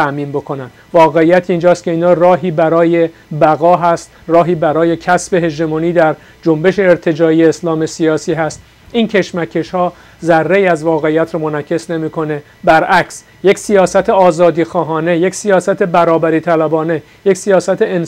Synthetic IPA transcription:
æʔmiːnbo̞kʰo̞nænd̪̥vɒːɣeijæt̪ʰind͡ʒɒːst̪̚cʰe̞iːnhɒːrɒːɦiːbæɾɒːjebæɣɒːɦæst̪rɒːɦiːbæɾɒːje̞cʰæsbe̞ɦe̞d͡ʒd̪emoniːd̪æɾ | d͡ʒo̞mbe̞ʃe̞ːɾt̪ʰe̞d͡ʒɒːijeːslɒːme̞siɒːsiːɦæst̪ | incʰe̞ʃmæcʰːe̞ʃhɒː | zærːe̞iːæzvɒːɣe̞ijːæt̪ʰɾɔːmo̞næcʰe̞sne̞miːkʰo̞ne̞ | bæɾʔæks | je̞csijɒːsæt̪ʰe̞ɒːzɒːd̪iːxɒːɦɒːne̞je̞csijɒːsæt̪ʰe̞bæɾɒːbæɾiːt̪ʰælæbɒːne̞ | je̞csijɒːsæt̪ʰeen

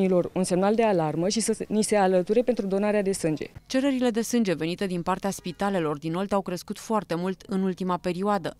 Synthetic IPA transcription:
ilo̞runse̞mnald̪e̞alarməʃisənise̞alət̪uɾe̞pe̞nt̪ɾud̪o̞naɾead̪e̞sɨnd͡ʒe̞̰t͡ʃe̞ɾəɾile̞d̪e̞sɨnd͡ʒe̞ve̞nit̪e̞d̪inpart̪easpit̪ale̞lo̞rd̪ino̞lt̪awkɾeskut̪foart̪e̞mult̪ɨnult̪imape̞ɾioad̪ə

